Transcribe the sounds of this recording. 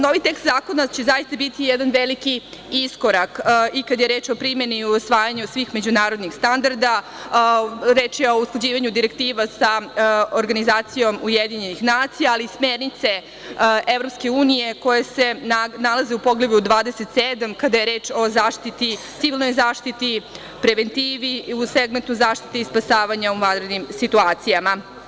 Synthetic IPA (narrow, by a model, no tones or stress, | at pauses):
noʋit̪e̞kst̪zaːko̞nat͡ɕe̞zajist̪abit̪ijed̪anʋelikiisko̞ɾakikad̪ajeɾe̞ːt͡ʃo̞pɾime̞niuosʋaːjaɲusʋiːxme̞d͡ʑunaːɾo̞d̪nixst̪and̪aɾd̪a | ɾe̞ːt͡ʃjeo̞usklˠad͡ʑiːʋaɲud̪iɾek̚t̪iːʋasaoɾɡanizaːt̪sijo̞mujed̪iɲenixnaːt̪sijaːliːsmeːɾnit̪se̞ | e̞vɾo̞pske̞uːnije̞ko̞jese̞nalˠazeupoɡleʋjud̪ʋaːd̪eset̪sed̪amkad̪aje̞ɾeːt͡ʃo̞zaːʃt̪it̪it̪siʋilˠno̞jzaːʃt̪it̪i | pɾeʋent̪iːʋiuseɡment̪nuzaːʃt̪i̥t̪iispasaːʋaɲauʋand̪ɾe̞d̪nimsit̪uaːt̪sijama